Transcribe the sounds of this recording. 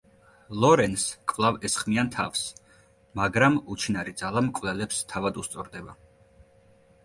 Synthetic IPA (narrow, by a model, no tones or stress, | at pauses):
lˠɔɾɛnskʼvlˠavɛsχmiant̪ʰa̰fs | maɡɾamut͡ʃʰinaɾid̪zalˠamkʼvlɛlɛpst̪ʰavad̪ust̪sʼɔɾd̪ɛba